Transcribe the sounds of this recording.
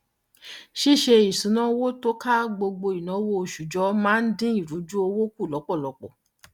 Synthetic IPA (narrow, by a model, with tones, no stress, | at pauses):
ʃi˦ʃe˧i˨sũ˨˦nã˦wo˦to˦ka˦ɡ͡bo˧ɡ͡bo˧i˨nã˨˦wo˦˧˨ʃu˨d͡ʒɔ˦mãː˦n̩˦dĩ˦i˦˨ɾu˨˦d͡ʒu˦o˧wo˦ku˦˨lɔ˨˦k͡pɔ˦˨lɔ˨˧˦k͡pɔ˦˨